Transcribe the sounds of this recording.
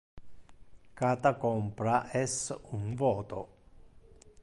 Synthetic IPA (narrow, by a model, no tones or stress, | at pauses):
kat̪akompɾaʔɛsunvoːt̪o